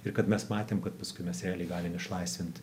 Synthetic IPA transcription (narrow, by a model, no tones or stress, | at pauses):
ɪɾkɐt̪mʲɛsmɑːt̪ʲeːmkɐt̪pɐskʊɪmʲɛsɾʲæːlʲɛɪɡɑːlʲɪmɪʃlˠɐɪsʲʋʲɪnt̪